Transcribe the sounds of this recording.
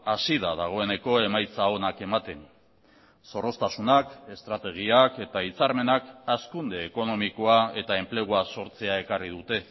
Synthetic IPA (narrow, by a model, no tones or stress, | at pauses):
asiðaðaɣ̞o̞e̞ne̞ko̞e̞majt͡sao̞nake̞mat̪e̞n | so̞ro̞st̪asunake̞st̪ɾat̪e̞ɣ̞iake̞t̪ait͡saɾme̞nakaskund̪e̞ːko̞no̞miko̞ae̞t̪ae̞mple̞ɣ̞uaso̞ɾt͡se̞ae̞karið̞ut̪e̞